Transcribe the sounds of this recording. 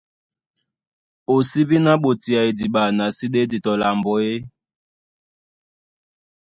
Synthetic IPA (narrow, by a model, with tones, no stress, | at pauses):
o˨si˦βi˦na˦ɓo˨ti˨a˨e˨di˨ɓa˨na˨si˦ɗe˦di˨tɔ˨la˨mbɔ˨e˦